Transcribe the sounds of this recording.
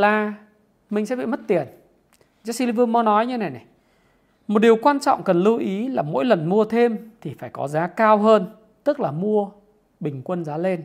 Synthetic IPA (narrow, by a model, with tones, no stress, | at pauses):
laː˨˩ | mï˨˩ŋ̟sɛ̰˧˥ɓḭ˧˨mə˦˥t̚t̪i˨˩ən | zaː˧˥si˧li˧vɨ˧mɔ˧nɔ˨˦jɲɨ˧na˨˩jna˨˩j | mo˨˩t̚ɗi˨˩əwkwaː˧nt͡ɕɔ̰˧˨wŋ͡mkə˨˩nlɨ˧wʔi˨˦laː˨˩mo̰˧˥jlə˨˩nmu˧ət̪ʰe˧mt̪ʰi˨˩faː˧˩jkɔ̰˨˦zaː˨˦kaː˧wɦəː˧n | t̪ɨ˦˥k̚laː˨˩mu˧ə | ɓï˨˩ŋ̟kwə˧nzaː˨˦le˧n